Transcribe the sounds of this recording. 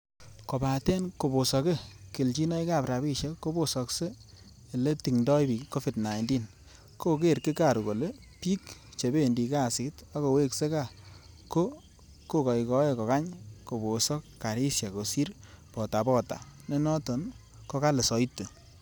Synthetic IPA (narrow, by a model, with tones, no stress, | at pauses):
ko˨pa˨tɛ˦nko˨bo˨sɔ˨˧ke˦kɪ˨lt͡ʃi˦nɔ˦i˦ka˦˨pɾa˨bi˦˧ʃe˦kːo˦bo˨sɔ˨kse˦ | e˨le˦ti˨ŋndɔ˦jbi˨kːo˦fi˨dna˨jndi˦n | ko˦ke˦ɾkɪ˦ka˨ɾu˨ko˨le˦ | pi˦kt͡ʃe˨be˦ndi˨˧ka˦˨sɪ˨ta˦ko˨we˦kse˦ka˦˨ | ko˦ | ko˦kɔ˨jkɔ˦e˦˨kɔ˨ka˦ɲko˨bo˨sɔː˦a˨ɾi˦sja˨ko˨si˦ɾpɔ˨ta˨pɔ˦ta̰˨ne˦nɔ˦to˨n | kɔ˦ka˦le˨sɔ˨i˦tːu˨